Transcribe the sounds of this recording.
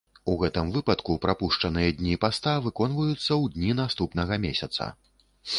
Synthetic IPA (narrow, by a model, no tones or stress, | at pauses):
uɣɛt̪ɨmvɨpɐt̪kupɾapuʂt͡ʂɐnɨjɐd̪ʲnʲipast̪avɨkɔn̪vɐjut̪sːɐwd̪ʲnʲinast̪upn̪ɐɣɐmʲesʲɐt̪sɐ̰